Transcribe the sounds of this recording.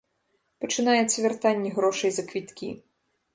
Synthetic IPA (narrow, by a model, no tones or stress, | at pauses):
pɐt͡ʂɨnajɛt̪sɐvʲɛrt̪anʲːɛɣɾɔʂɐjzɐkvʲit̪kʲḭ